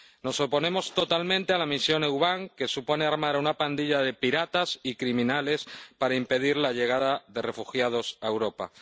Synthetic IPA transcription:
no̞so̞po̞nẽ̞mo̞st̪o̞t̪almẽ̞nt̪ealamisjo̞newβaŋke̞supo̞ne̞aɾmaɾunapand̪iʎaðe̞piɾat̪asikɾimĩnale̞spaɾaimpe̞ðiɾlaʎe̞ɣ̞aðaðe̞re̞fuxjað̞o̞saewɾo̞pa̰

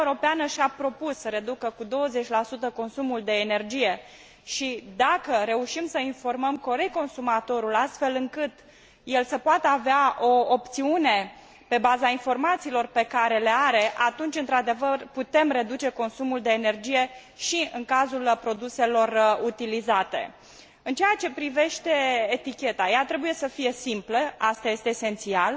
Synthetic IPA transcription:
ɾo̞peanəʃapɾo̞pusːəɾe̞d̪ukəkud̪o̞wəze̞t͡ʃʲlasut̪əko̞nsumuld̪e̞ːne̞rd͡ʒije̞ | ʃid̪akəɾe̞uʃimsəinfo̞rməmko̞ɾeko̞nsumat̪o̞ɾulast̪fe̞lɨŋkɨt̪ | je̞lsəpoat̪əaveaʔo̞opt̪siune̞ | pe̞bazainfo̞rmat̪siːlo̞rpe̞kaɾe̞le̞aɾe̞ʔat̪unt͡ʃʲɨnt̪ɾad̪e̞vərput̪e̞mre̞d̪ut͡ʃe̞ko̞nsumuld̪e̞ːne̞rd͡ʒije̞ | ʃiɨŋkazulpɾo̞d̪use̞lo̞rut̪ilizat̪e̞̰ | ɨnt͡ʃejat͡ʃe̞pɾive̞ʃt̪e̞ːt̪ikʲe̞t̪ajat̪ɾe̞buje̞səfije̞simpləast̪aje̞st̪eːse̞nt̪sial

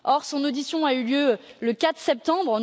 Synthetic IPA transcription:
ɔʁsɔ̃nod̪isjɔ̃ayljøləkat̪χsɛp̚t̪ɑ̃bʁ̃

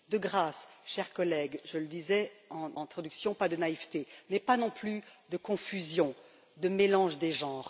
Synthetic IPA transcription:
d̪əɡʁasʃɛʁkɔlɛɡʒələd̪izɛɑ̃nɛ̃t̪χɔd̪yksjɔ̃pad̪ənaivt̪emɛpanɔ̃plyd̪əkɔ̃fyzjɔ̃ | d̪əmelɑ̃ʒd̪eʒɑ̃ːʁ

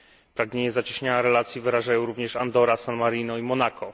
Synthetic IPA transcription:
pɾaɡɲeɲɛzat͡ɕiɕɲaaɾɛlat̪sʲjivɘɾaʐajɔ̃w̃ɾuvɲɛʂand̪ɔɾasanmaɾinɔimɔnakɔ

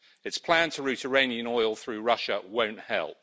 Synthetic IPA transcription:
ɪtspʰl̥æ̃ntʰəɹʉˑtʰəɹẽɪ̃niə̃nɔɪlˠθɹʉːɹʌʃəwə̃ʊ̃nʔhɛ̰lˠp̚

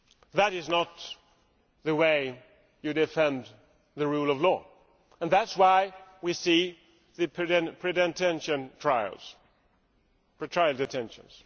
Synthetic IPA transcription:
ðɨɾɪznət̪̚ | ðɨweɪ | jɨdɨfɛ̃n | ðɨɹulˠʌvlɔ | ə̃nðætswaɪwisi | ðɨpʰɛ̃pʰɹ̥idɛ̃ntʰɛ̃nʃɨ̃ntʰɹ̥aɪ̰lˠz̥ | pʰɹ̥ɨtʰɹ̥aɪlˠdɨtʰɛ̃nʃə̰̃nz̥

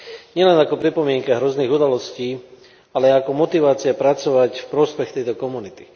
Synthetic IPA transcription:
ɲɪɛlɛnakɔpɾipɔmɪɛŋkaɦɾɔzniːɣud̪alɔsciː | alɛaakɔmɔt̪iʋaːt͡siapɾat͡sɔʋacfpɾɔspɛxt̪ɛjt̪ɔkɔmunit̪i̥

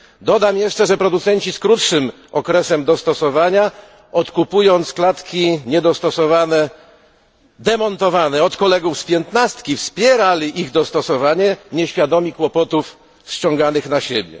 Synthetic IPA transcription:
d̪ɔd̪amjɛʂt͡ʂɛʐɛpɾɔd̪ut̪sɛɲt͡ɕiskɾut̪ʂɘm | ɔkɾɛsɛmd̪ɔst̪ɔsɔvaɲa | ɔt̪kupujɔnt̪sklat̪kʲiɲɛd̪ɔst̪ɔsɔvanɛ | d̪ɛmɔnt̪ɔvanɛɔt̪kɔlɛɡufspʲjɛnt̪nast̪kʲifspʲjɛɾalʲiʔiɣd̪ɔst̪ɔsɔvaɲɛɲɛɕfʲjad̪ɔmʲikwɔpɔt̪uf | st͡ɕɔ̃ŋɡanɘxnaɕebʲjɛ̰

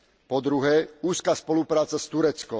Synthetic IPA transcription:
pɔd̪ɾuɦɛːuːskaːspɔlupɾaːt͡sast̪uɾɛt͡skɔ

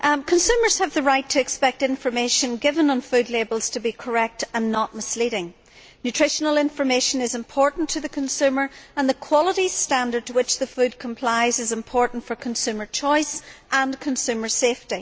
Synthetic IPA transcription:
kʰə̃nsʉmə˞z̥əvðəɹaɪtʰɨɨkspɛk̚tɪ̃ɱfə˞meʃə̃nɡɪvə̃nə̃nfʉdˡlebəl̩ˠz̥tʰəbikʰə˞ɛk̚tə̃nːəʔ̚mɪsliɾɪ̃ŋ | njʉtʰɹ̥ɪʃənəlˠɪ̃ɱfə˞meʃə̃nɪzɪ̃mpʰɔɹʔn̩tʰɨðɨkʰə̃nsʉmə˞ə̃nðəkʰw̥ɔlˠəɾistãndə˞d̚tʰəwɪt͡ʃðəfʉd̚kʰə̃m̩pʰl̥aɪzɨzɪ̃mpʰɔɹʔn̩tfə˞kʰə̃nsʉmə˞t͡ʃʰɔɪsʔə̃nkʰə̃nsʉmə˞sefti

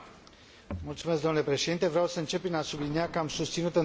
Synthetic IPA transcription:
mult̪sumesɡd̪onule̞pɾe̞ʃe̞d̪int̪e̞vɾeawsəɨnt͡ʃe̞pːɾinasubliniakəamsust̪sinut̪ɨ

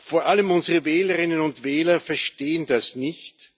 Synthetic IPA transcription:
foːɐʔaləmʊnzəʁəvɛːləʁɪnənʊntvɛːlɐfɛɐʃteːəndasnɪçt

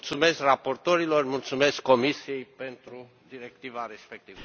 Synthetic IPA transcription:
t̪sume̞skrapo̞rt̪o̞ɾilo̞rmult̪sume̞skːo̞misije̞jpe̞nt̪ɾu | d̪iɾe̞kt̪ivaɾe̞spek̚t̪ivə

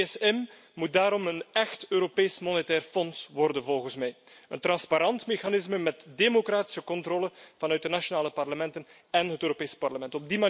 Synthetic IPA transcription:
sɛm | mut̚daːɾɔmənɛxtøːɾopeːsmɔnetɛːrfɔnsʋɔrdənvɔlˠɣənsmɛjə̰nt̪rɑnspaɾɑntmexanɪzməmɛtdemokraːti̥səkɔntroːləv̥ɑnœɥt̚dənaʃonaːləpɑrləmɛntən | ɛnɦətøːɾopeːspɑrləmɛntɔb̚dima

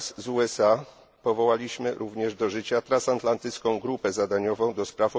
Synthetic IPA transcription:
szuɛsa | pɔvɔwalʲiɕmɘɾʔuvɲɛʐd̪ɔʐɘt͡ɕat̪ɾãnsant̪lant̪ɘt̪skɔ̃w̃ɡɾupɛzad̪aɲɔvɔ̃w̃d̪ɔspɾafɔ

